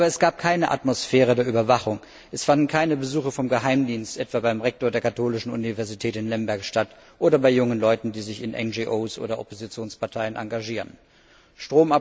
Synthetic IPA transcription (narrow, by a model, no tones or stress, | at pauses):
ʔaːbɐɛsɡ̥aːp̚kʰaɪnəʔa̰tmosfɛːʁ̞ədeːɐyːbɐvaχʊŋ | ʔɛsfandn̩kʰaɪnəbəzuːxəfɔmɡəɦaɪmdiːnstʔɛtv̥aːbaɪmʁɛk̚toːɐdeːɐkʰatʰoːlɪʃn̩ṵnivɛɐzitʰɛːtɪnlɛmbɛɐkʃtat | ʔoːdɐbaɪjʊŋənlɔʏtn̩diːzɪçɪnʔɛ̰nd͡ʒiʔoːsʔo̰ːɾɐʔɔ̰pozit͡sjoːnspaɐtʰaɪənʔa̰ŋɡaʒiːʁən | ʃtʁ̥oːma